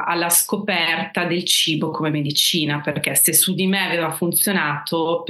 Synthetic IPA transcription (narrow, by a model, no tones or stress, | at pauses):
alːaskopɛrt̪ad̪elt͡ʃiːbokomemed̪it͡ʃiːnaperkesesud̪imeaveːvafunt̪sjonaːt̪ʰop